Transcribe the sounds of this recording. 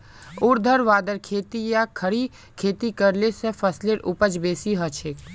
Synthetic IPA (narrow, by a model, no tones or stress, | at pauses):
ʊɾd̪ʱəɾʋaːd̪əɾkʰeːt̪ijakʰəɽi | kʰeːt̪ikəɾlesẽpʰəsleɾʊpəd͡ʒbeːsiɦət͡ʃʰeːk